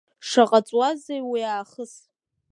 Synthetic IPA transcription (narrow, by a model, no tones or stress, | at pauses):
ʂaqʼat͡sʼwazejwiaːχəs